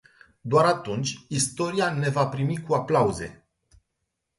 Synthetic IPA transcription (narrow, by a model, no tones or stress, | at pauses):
d̪oaɾat̪unt͡ʃʲist̪o̞ɾiane̞vapɾimikuaplauze̞̰